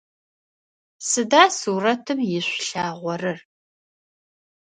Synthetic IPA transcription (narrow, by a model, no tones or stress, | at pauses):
sɨdaːsuːrɐtʰɨmjɪɕʷɬaːʁʷɔrɨr